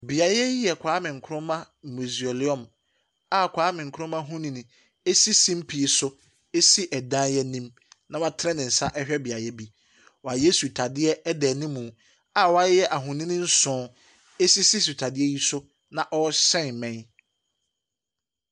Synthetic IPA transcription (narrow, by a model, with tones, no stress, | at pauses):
bi˨a˨ɾɛ˦ji˦ɛ˨kʷʰaː˨˦mɪ̃˨ŋ̩˨kʰʊ˦ʊ̃˦mã˦ | mu˨zi˨o˨li˦ɔ̃˨m | a˨kʷʰaː˨˦mɪ̃˨ŋ̩˨kʰʊ˦ʊ̃˦mã˦ɦũ˦nĩ˨nĩ˨ | e˦si˦sĩ˦m̩˦pʰi˨e˨sʊ˦ | e˦si˦ʔɛ˨dã˦jɛ˦nĩ˦m | nã˨wa˦tʰɾɛ̃˦nɪ̃˨n̩˨sa˦ʔɛ˦hᶣɛ˦bɪ˨a˨ɾɛ˦bi˦ | wɔ˨a˨je˦su˨tʰa˨dɪ˦ɛ˦dɛ˨nĩ˦mũ˨ | a˨wa˦jɛ˦ʔa˨ɦʊ̃˨nĩ˦nɪ̃˦n̩˦sʊ̃˦ | e˦si˦si˦su˨tʰa˨dɪ˦ɛ˦ji˦sʊ˦ | nã˨ʔɔ˦sɛ̃˦n˨mɛ̃˦n